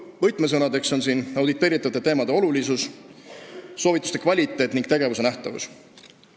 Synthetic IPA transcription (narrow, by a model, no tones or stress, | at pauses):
vɤjt̪ˑmes̬ɤnɑd̪e̞kso̞nsiːnɑwd̪it̪ːˑe̞ːɾit̪ːˑɑvɑt̪et̪e̞ːmɑd̪e̞o̞lulisus | so̞ːvit̪ːˑust̪e̞kvɑlʲit̪ːˑe̞ːt̪ːˑniŋɡk̚t̪e̞ɡe̞vuse̞næht̪ɑvṵs